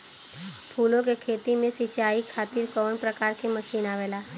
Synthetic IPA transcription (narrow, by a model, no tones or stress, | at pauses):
pʰuːlõk̬ekʰeːt̪imẽsit͡ʃaːikʰaːt̪iɾkɔːɳpɾəkaːɾkeməʃiːnaːʋeːlaː